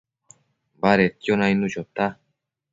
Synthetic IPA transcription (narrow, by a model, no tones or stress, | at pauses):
baɾet̪jonajnut͡ɕot̪a